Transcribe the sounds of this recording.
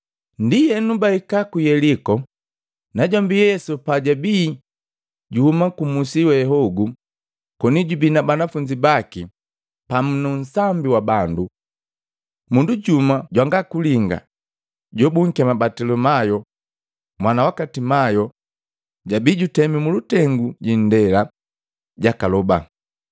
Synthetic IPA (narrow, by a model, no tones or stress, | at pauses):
ndijɛnubaikakujɛlikɔ | naɟambijɛsupaɟabiː | ɟuhumakumusiwɛɦɔɡu | kɔniɟubinabanafuɲd͡ʒibaki | pamunɔn̩sambiwabandu | munduɟumaɟwaŋɡakuliŋɡa̰ | ɟɔbuŋ̩kiamabatɛlɔmajɔ | mwanawakatimajɔ | ɟabiːɟutɛmimulutɛŋɡuɟindɛla | ɟakalɔba̰